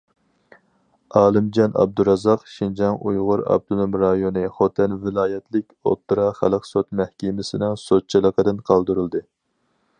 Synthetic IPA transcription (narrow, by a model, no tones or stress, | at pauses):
ɑːlˠɨmd͡ʒɑnɑ̰b̚d̪uɾɑzɑqʃind͡ʒɑŋṵjʁʊɾɑ̰b̚t̪unumɾɑjonɨχot̪ʰɛnvɪlˠɑːjɛt̪ʰlɪkʲo̰p̪ːɨɾɑχælˠəqsot̪mɛhkʲimɪsɪnɨŋsot̪̚t͡ʃʰilˠəqəd̪ɨnqʰɑlˠd̪ɨɾɨlˠd̪ɨ